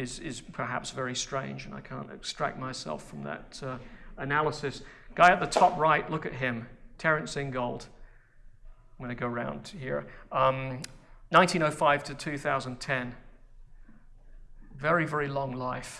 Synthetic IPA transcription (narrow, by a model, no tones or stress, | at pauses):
ɪzɪ̰z̥pʰə˞ɦæ̰psvɛɹistɹ̥ẽɪ̃nd͡ʒɨ̃na̰ɪkʰæ̰̃ntɨ̰kstɹ̥æ̰k̚t̚maɪsɛ̰lˠfɹʌ̃mðə̰ɾʌɨnælˠəsɨs | ɡ̥aɪɨt̪̚ðətʰɔpɹaɪʔˡlʊkɨt̚ɦɪ̃mtʰɛɹɨ̃ntsɪ̃nɡoʊlˠd̥ | wə̃ñaɪɡoʊəɹãʊ̃nd̥hḭɹʌ̃mnãɪ̃ntʰĩnoʊfaɪv̥tʰɨtʰʉθaʊzə̃ntʰɛ̃n | vɛɹivɛɹilɔ̃ŋlaɪf